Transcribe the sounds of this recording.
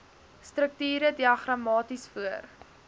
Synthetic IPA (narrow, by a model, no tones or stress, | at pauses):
strək̚tyːɾədiɐχrɐmɑːtisfuər